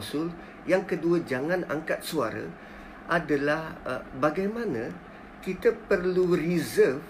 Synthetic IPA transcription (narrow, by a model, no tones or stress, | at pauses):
sʊl | jaŋkəduəd͡ʒaŋãna̰ŋkat̪̚sua̰ɾə̰ | ʔadalahbaɡajmãnə̃ | kit̪əpərlurizəf